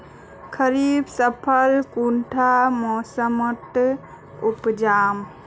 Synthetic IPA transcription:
kʰəɾiːbsəpʰəlkuɳʈʰamɔːsəməʈ̪ | upd͡ʒaːm

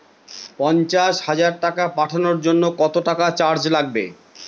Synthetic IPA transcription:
pɔnt͡ɕaʃhad͡ʑaɾʈakapaʈʰanoɾd͡ʑonːokɔt̪oʈakat͡ɕaɾd͡ʑlaɡ̚bḛ

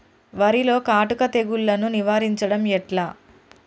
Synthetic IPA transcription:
ʋɐɾilo̞ːkaːʈukɐt̪e̞ɡuɭːɐnuniʋaːɾiɲt͡ʃɐɽɐmɛʈlaː

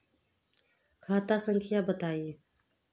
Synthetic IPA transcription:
kʰaːt̪asəŋkʰijabət̪aːieː

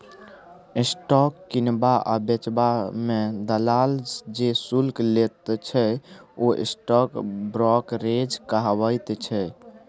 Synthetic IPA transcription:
isʈɔkːinbaʔa̰bet͡ʃbamẽd̪əlald͡ʒesulklet̪t͡ʃʰɛoʔḭsʈɔkbɾɔkɾed͡ʒkəɦbəjt̪t͡ʃʰɛ

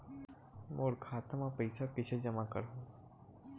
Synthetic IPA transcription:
moːɾkʰaːt̪əmapɐɪsakɪt͡ʃʰed͡ʒɐmakɐ̰ɾɦõː

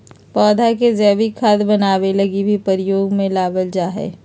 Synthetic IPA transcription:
pɔːd̪ʱakezɛːʋikʰaːd̪bɐnaːʋelɐɡibʱipəɾɪjoːɡmẽlaːbəld͡ʒaːɦɛ̰ː

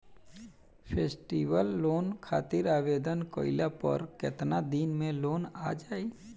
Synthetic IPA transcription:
pʰeːsʈiːwəlːoːnkʰaːt̪ɪɾaːʋeːd̪ənko̰ːɪlapə̰ɾkɪt̪nad̪iːnmẽloːnaːd͡ʒaːe

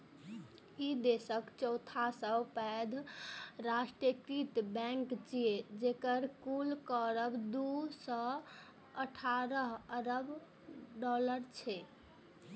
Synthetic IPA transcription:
id̪esəkt͡ʃɔwt̪ʰasəbpɛd̪ʱɾasʈɾəkɾit̪bɛ̃ŋkt͡ʃied͡ʒekəɾkulkɔɾəbd̪usɔ | əʈʰaɾəɦəɾəb | ɖɔləɾt͡ʃʰɛ

